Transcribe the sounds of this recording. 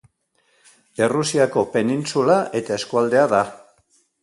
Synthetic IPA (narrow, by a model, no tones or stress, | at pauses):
e̞rusiako̞pe̞ninsulaʔe̞t̪aeskuald̪e̞aða